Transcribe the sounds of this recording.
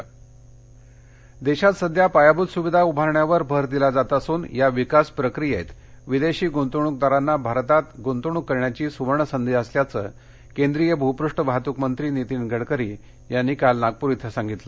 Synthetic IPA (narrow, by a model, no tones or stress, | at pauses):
d̪eɕat̪səd̪ʱjapajabud̪suʋid̪ʱaubʱaɾɳjaʋəɾbʱəɾd̪ilad͡zat̪asuːnjaʋikaspɾəkɾijḛt̪ | ʋid̪eɕiːɡont̪uɳ̃uk̚d̪aɾanːabʱaɾt̪at̪ɡont̪uɳ̃ukːəɾɳjat͡ɕiːsuʋəɾɳəsənd̪eəsljat͡sə̰ː | kend̪ɾijebʱəupɾuʂʈəbʱat̪ukmənt̪ɾiːnit̪iːnɡʱəɽkəɾḭː | janːiːkalnaɡ̚puɾit̪ʰəsãŋɡit̪lə